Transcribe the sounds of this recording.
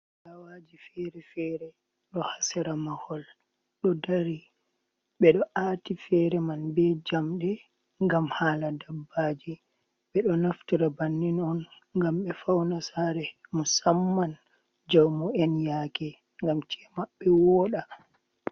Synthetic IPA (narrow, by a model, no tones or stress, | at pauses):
lawaːd͡ʒifɛɾɛfɛːɾɛ | ɗɔhasɛɾamahɔl | ɗɔdaɾi | ɓɛɗɔʔaːtifɛɾɛmanbɛd͡ʒamɗɛ | ŋɡamhaːladabːaːd͡ʒi | ɓɛɗɔnaftiɾabanːinɔn | ŋɡamɓɛfawnasaːɾɛmɔsamːan | d͡ʒawmɔɛnjakɛ | ŋɡamt͡ʃɛmaɓːɛwɔɗa